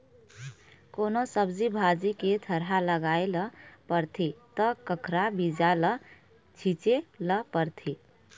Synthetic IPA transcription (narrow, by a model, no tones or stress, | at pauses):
konosəbd͡ʒibʱad͡ʒiket̪ʰəɾɦaləɡaeləpəɾt̪ʰit̪əkəkʰɾabid͡ʒalə | t͡ʃʰit͡ʃeləpəɾt̪ʰi